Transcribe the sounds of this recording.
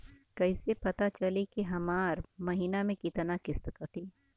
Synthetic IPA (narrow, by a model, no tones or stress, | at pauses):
kɐɪsepɐt̪at͡ʃɐlikiɦɐmaːɾmɐɦiːnamẽkɪt̪nakɪst̪kət̪i